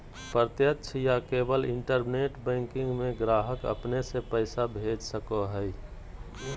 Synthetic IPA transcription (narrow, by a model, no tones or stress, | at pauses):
pɾət̪jətːʃʰjakeːbəlɪ̃ɳʈəɾneːʈbɛ̃ːŋkɪ̃ŋɡmẽɡɾaːɦəkə̰pnesepəɪsabʱeːd͡ʒsəkoɦəi